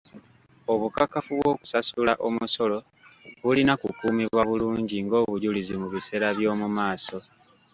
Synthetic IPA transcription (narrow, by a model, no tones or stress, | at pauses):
oβukakafuβwo̞ku̥sasulaʔo̞muso̞lo̞ | βulinakukuːmiβwaβuluːɲɟiŋɡo̞ːβuɟulizimuβise̞ːɾaβjo̞ːmumaːso̞